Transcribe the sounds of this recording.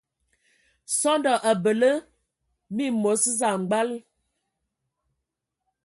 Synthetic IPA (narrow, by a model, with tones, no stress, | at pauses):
sɔ˦ndɔ˨ʔa˨bə˨lə˦ | mi˦˨mo˨˦sza˨ŋ͡m̩˨ɡ͡ba˦l